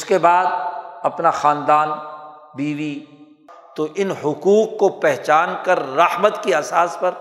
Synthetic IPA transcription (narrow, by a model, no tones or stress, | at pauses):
ʊskebaːd̪̚ɐpnaxãːnd̪aːn | biːʋi | t̪oʔɪnɦʊkuːkːopɛɦt͡ʃaːnkɐɾːɐhmət̪kiɐsaːspɐɾ